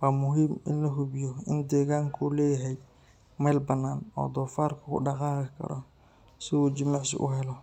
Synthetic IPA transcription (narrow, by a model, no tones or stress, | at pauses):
waːmʊɦiːmɪnlɐɦʊβɪjɔɪnd̪ɛːɣaːŋkʰuːlɛːjɦɛj | mɛlbɐnːaːnɔ̰ːd̪ɔːfaːrkʰɐkʰʊ̰ɖɑqɑːqɪkʰɐ̰ɾɔ | sɪuːt͡ʃɪmaʕsɪ̰ʔʊ̰ɦɛlɔ